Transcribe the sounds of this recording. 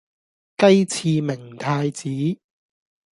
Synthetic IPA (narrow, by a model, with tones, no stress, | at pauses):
kɐ˥jt͡sʰiː˧mɪ˨˩ŋt̪ʰaː˧jt͡siː˨˥